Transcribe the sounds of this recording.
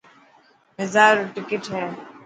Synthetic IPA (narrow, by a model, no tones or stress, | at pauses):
mɪzaːɾʈɪkɪʈɦɛː